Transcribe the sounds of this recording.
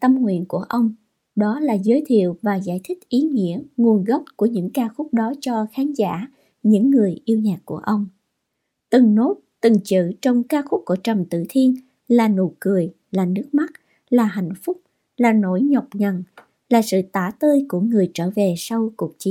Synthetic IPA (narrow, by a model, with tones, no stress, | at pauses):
t̪ə˧mŋwḭ˧˨ənku˧˩əʔə˧wŋ͡m | ɗɔ˨˦laː˨˩zəː˨˦jt̪ʰḭ˧˨əwvaː˨˩za̰ː˧˩jt̪ʰï˦˥k̟̚ʔi˨˦ŋḭ˧˥əŋu˨˩ənɣə˦˥p̚ku˧˩əɲɨ̰˧˥ŋkaː˧xʊ˦˥k͡p̚ɗɔ˨˦t͡ɕɔ˧xaː˨˦nza̰ː˧˨ | ɲɨ̰˧˥ŋːɨ˨˩əjʔi˧əwɲaː˨˩k̚ku˧˩əʔə˧wŋ͡m | t̪ɨ˨˩ŋno˦˥t̚t̪ɨ˨˩ŋt͡ɕɨ̰˧˨t͡ɕɔ˧wŋ͡mkaː˧xʊ˦˥k͡p̚ku˧˩t͡ɕə˨˩mt̪ɨ̰˧˨t̪ʰi˧ən | laː˨˩no̰˧˨˩jkɨ˨˩əj | laː˨˩nɨ˦˥ək̚ma˦˥t̚ | laː˨˩ɦa̰˧˨jŋ̟fʊ˦˥k͡p̚ | laː˨˩no̰˧˩jɲə˨˩wk͡p̚ŋə˨˩n | laː˨˩sɨ̰˧˨t̪aː˧˩t̪əː˧jku˧˩əŋɨ˨˩əjt͡ɕəː˧˩ve˨˩sa˧wku˨˩ək̚t͡ɕi˨˦